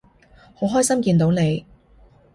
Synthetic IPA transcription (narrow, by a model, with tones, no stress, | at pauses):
ho˨˥wɦɔː˥jsɐ˥mkiː˧nt̪o˨˥wne˨˧j